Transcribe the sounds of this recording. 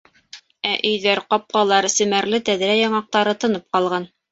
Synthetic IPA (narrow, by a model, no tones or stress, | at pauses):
æʔɵ̆jðæɾqɑp̚qɑlˠɑɾsɘ̆mæɾlɘt̪æðɾæjɑɴɑq̚t̪ɑɾɤt̪ɤ̆nɤp̚qɑlˠʁɑn